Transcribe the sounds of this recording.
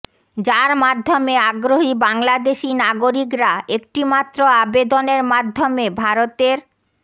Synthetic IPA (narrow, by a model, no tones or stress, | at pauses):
d͡ʑaɾmad̪ʱːomeaɡɾoɦibaŋlad̪eʃinaɡoɾikɾaek̚ʈimat̪ːɾoabed̪oneɾmad̪ʱːomebʱaɾot̪eɾ